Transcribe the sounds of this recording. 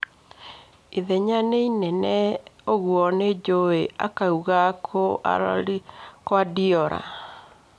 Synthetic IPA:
eðɛɲaneinɛnɛoɣwɔned͡ʒoea̰kauɣakʰoʔa̰ | kowadiɔɾa̰

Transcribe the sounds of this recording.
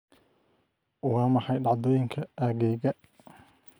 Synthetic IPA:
ʊwɑːmɑħɑjɖɑʕd̪ɔːjɪŋkʰɐʔaɣɛːɣɐ

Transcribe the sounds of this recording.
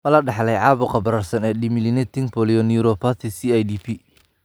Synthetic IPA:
mɐlɐɖɑħlɛjʕɑːβʊqɑbɐɾɐrsɐnɛːɗɪmɪlɪnɛt̪ʰɪŋpʰɔːlɪɔniɾɔpʰat̪ʰisiajd̪ipʰi

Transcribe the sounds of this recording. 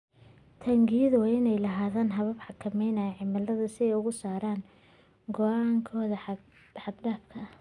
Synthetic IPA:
t̪ʰɐŋɡiðʊwɑːɪnɛjlɐɦaːðaːnɦɐβɐbħɑkʰɐmɛjnaːjʕɪmɐlːɐðɐsɪɛjʊɣʊsaːɾaːn | ɡɔʔaːŋkʰɔːðɐħ | ħɑd̪ɖaːbkʰɐ

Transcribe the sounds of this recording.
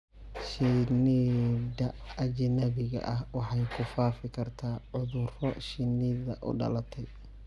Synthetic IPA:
ʃɪnidɐɐd͡ʒɪnɐβɪɣɐ̰ʔɐhwɑħɑjkʰʊfaːfɪkʰɐrt̪ʰaːʕʊðʊrɔʃɪniðɐʔʊ̰ɖɐ̰lɐt̪ʰɛj

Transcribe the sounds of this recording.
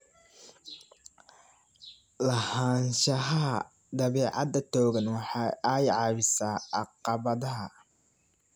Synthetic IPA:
lɐhaːnʃɐɦɐ | d̪ɐβɛːʕɑ̰d̪ɐt̪ʰɔːɣɐnwɑħɑaːjʕɑβɪsaːɑqɑβɐðɐɦɐ

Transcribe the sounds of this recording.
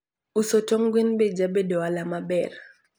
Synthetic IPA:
usotoŋɡwenbed͡ʒabedowalamabɛr

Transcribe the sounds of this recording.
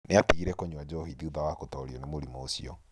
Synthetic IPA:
neatiɣiɾɛkoɲwad͡ʒɔɦiðiuðawakotɔɾiɔnemoɾimɔosiɔ

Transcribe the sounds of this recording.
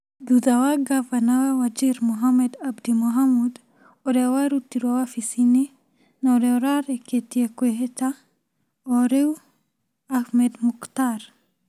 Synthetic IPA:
duðawaɡavanawawad͡ʒiɾmuɦamed̪abd̪imuɦamud̪ | ɔɾewaɾut̪iɾwawafisini | noɾeɔɾaɾeket̪iekweɦet̪a | oɾew | ahmed̪mukt̪aɾ

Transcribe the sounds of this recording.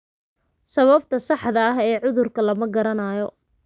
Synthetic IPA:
sɐβɐbt̪ʰɐsɑħd̪ɐɐɦɛːʕʊðʊrkʰɐlɐmɐɡɐɾɐnaːjɔ

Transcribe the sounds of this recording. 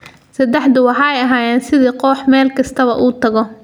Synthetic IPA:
sɐd̪ɛħd̪ʊwɑħɑːɛjɐɦaːjɛːnsɪðiːqɔːħmɛːlkʰɐst̪ʰɐβɐʔuːt̪ʰɐɣɔ

